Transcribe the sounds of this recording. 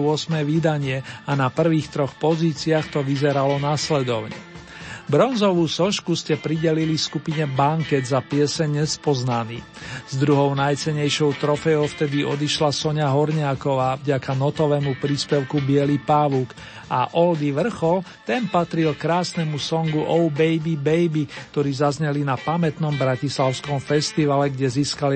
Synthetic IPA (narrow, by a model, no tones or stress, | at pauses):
ʊɔsmnɛːʋid̪aɲɪɛanapr̩ʋiːxt̪ɾɔxpɔziːt͡siaxt̪ɔʋizɛɾalɔnaslɛd̪ɔʊɲɛ̰ | bɾɔnzɔʋuːsɔʃkuscɛpɾiɟɛlilifskupiɲɛbaŋkɛd̪zapɪɛsɛɲɲɛspɔznaniː | z̥d̪ɾuɦɔʊnajt͡sɛɲɛjʃɔʊt̪ɾɔfɛɔʊft̪ɛd̪iɔd̪iʃlasɔɲaɦɔɾɲɪakɔʋaːvɟakanɔt̪ɔʋɛːmupɾiːspɛʊkubɪɛlipaːʋuːk | ʔaʔɔld̪iʋr̩xɔlt̪ɛnpat̪ɾilkɾaːsnɛmusɔŋɡuʔɔʊbɛjbibɛjbik̚t̪ɔɾiːzazɲɛlinapamɛt̪nɔmbɾacislaʊskɔmfɛst̪iʋalɛɡɟɛziːskali